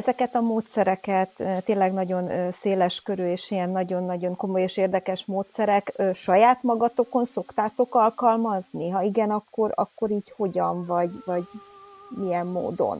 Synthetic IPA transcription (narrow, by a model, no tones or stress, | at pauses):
ɛzɛkɛt̪ɒmoːt̪sɛɾɛkɛt̪t̪ːeːnlɛɡnɒɟo̞nseːlɛʃkøɾyeːʃijɛnːɒɟo̞nːɒɟo̞ŋko̞mo̞jeːʃeːrd̪ɛkɛʃmoːt̪sɛɾɛkːʃɒjaːt̪mɒɡɒt̪o̞ko̞nso̞kt̪aːt̪o̞kɒlkɒlmɒzniɦɒiɡɛnɒkːo̞ɾɒ̰kːo̞ɾiːcho̞ɟɒɱvɒɟvɒɟmijɛmːo̰ːd̪o̞̰n